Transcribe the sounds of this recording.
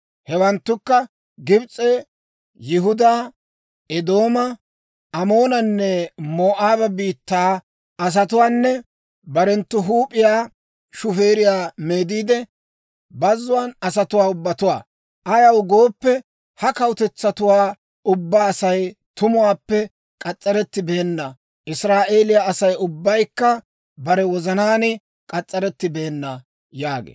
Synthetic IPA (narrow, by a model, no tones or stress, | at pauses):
hɛwɐnt̪ːʊkːɐ | ɡɪbt͡sʼːeː | jɪɦʊd̪aː | ɛd̪o̞ːmɐ | ɐmoːnɐnːɛmoːʔaːbɐbiːt̪ːaː | ɐs̬ɐt̪ʊwaːnːɛ | bɐɾɛnt̪ːʊɦuːpʼːɪjaː | ʃʊfeːɾɪjaːmeːd̪iːd̪ɛ | bɐzːʊwaːnɐsɐt̪ʊwaːʊbːɐt̪ʊwa̰ː | ʔɐjɐwɡo̞ːpːɛ | hɐkɐwʊt̪ɛt͡sːɐt̪ʊwaː | ʊbːaːsɐjt̪ʊmʊwaːpːɛ | kʼɐt͡sʼːɐɾɛt̪ːɪbe̞ːnːɐ | ʔɪsɾaːʔeːlɪjaɐsɐjʊbːɐjkːɐ | bɐɾɛwɔzɐnaːnɪ | kʼɐt͡sʼːɐɾɛt̪ːɪbe̞ːnːɐ | jaːɡḛː